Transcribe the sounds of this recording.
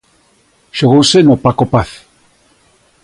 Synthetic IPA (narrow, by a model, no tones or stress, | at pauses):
ʃoɣosenopakopaθ